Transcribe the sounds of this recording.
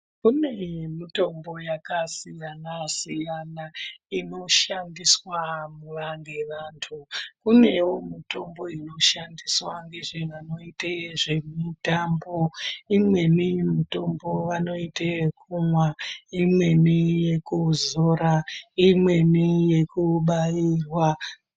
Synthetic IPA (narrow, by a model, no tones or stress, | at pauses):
kune̞mito̞mbo̞jakasijanasijanaino̞ʃandiswamuʋaŋɡeʋaːntʰukune̞womito̞mbo̞ino̞ʃandiswaŋɡe̞ʐeʋano̞iteʐe̞mitambo̞imwe̞nimito̞mbo̞ʋano̞itekʰumwaimwe̞nije̞kuzoɾaimwe̞nijekuɓajirwa